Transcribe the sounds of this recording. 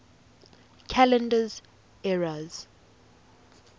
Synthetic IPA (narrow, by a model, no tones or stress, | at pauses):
kʰalɛ̃ndəz | ɛɹaz̥